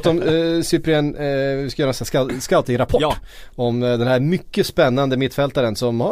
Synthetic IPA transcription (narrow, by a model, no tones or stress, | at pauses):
t̪ːɔmsʏpɾɛnɪskajœɾnsnaskalt̪ɪŋɾapʰɔɔmd̪ɛnhæɾmʏkːəspɛnːand̪əmɪt̪ːfɛlt̪aɾənsɔmha